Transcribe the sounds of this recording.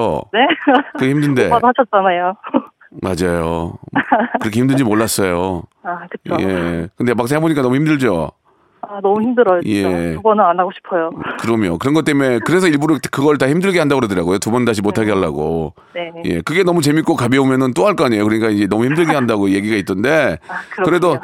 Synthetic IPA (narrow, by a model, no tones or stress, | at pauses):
onekɯçimdɯnde̞aɦaɕʰʌt̚t͡ɕ͈anajo | mad͡ʑajo | kɯɾʌkʰeçimdɯɲd͡ʑimoɭːas͈ʌjoakɯt͡ɕoḛkɯnde̞maks̬͈aŋɦeboɲik͈anʌmuçimdɯɭd͡ʑo | anʌmuçimdɯɾʌjoje̞ubʌnɯnanːaɡoɕʰi̥pʰʌjokɯɾʌmjo̰kɯɾʌnɡʌt͈e̞me̞kɯɾe̞sʰʌiɭbuɾɯtkɯɡʌɭt̬açimdɯɭɡeɦandaɡoɾedɯɾaɡojotubʌntaɕ̬ʰimotʰaɡeɦaɭːa̰ɡo | neje̞̰kɯɡenʌmut͡ɕe̞mik͈okabeomjʌnɯnt͈oɦaɭk͈ʌaɲe̞jokɯɾʌɲik͈aind͡ʑe̞nʌmuçimdɯɭɡeɦandaɡoje̞ɡiɡait͈ɯnde̞kɯɾʌkɯɾe̞do